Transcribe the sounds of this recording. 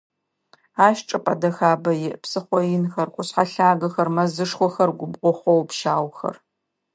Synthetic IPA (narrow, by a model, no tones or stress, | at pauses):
aːʃʈ͡ʂʼɐpʼɐdɐxaːbɐjɪʔpsɨχʷɔjɪnxɐrkʷʼʊɕħaɬaːɡɐxɐrmɐzɨʂxʷɔxɐrɡʷʊbqʷɔχʷɔwpʃaːwxɐ̰r